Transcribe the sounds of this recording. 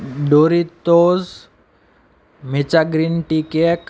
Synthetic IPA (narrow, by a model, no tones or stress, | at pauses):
ɖoɾit̪oz | met͡ʃaɡɾinʈikek